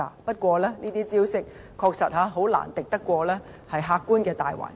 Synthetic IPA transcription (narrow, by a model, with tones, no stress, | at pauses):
aː˧pɐ˥t̚kʷɔː˧lɛː˥nʔiː˥t̪iː˥t͡siː˥wsɪ˥k̚ | kʰɔː˧k̚sɐ˨t̚haː˨˧˥ɦo˨˥wla̰ː˨˩nt̪ɪ˨k̚t̪ɐ˥kːʷɔː˧lɛː˥ | hɐ˨jɦaː˧kːuː˥nkɛː˧t̪a̰ː˨jwa̰ː˨˩n